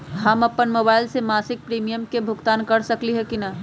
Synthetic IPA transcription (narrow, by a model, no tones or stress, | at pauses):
ɦɐmɐpənmoːbaːɪlsemaːsɪk̚pɾiːmijəmkebʱʊɡt̪aːnkɐɾsɐkliɦɛkinɐ